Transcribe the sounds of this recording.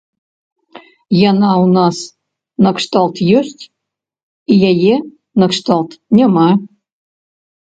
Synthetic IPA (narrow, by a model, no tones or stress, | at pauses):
jɑnɑunɑs | nɤkʂt̪ɑlˠt̪jørʲtʲ | ijeje | nɤkʂt̪ɑlˠt̪nʲə̆mɑ